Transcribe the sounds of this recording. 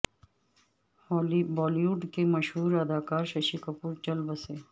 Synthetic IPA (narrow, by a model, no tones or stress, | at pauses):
lbɔːliuɖkemɐʃɦuːɾɐd̪aːkaːɾʃɐʃikɐpuːɾd͡ʒɐlbəse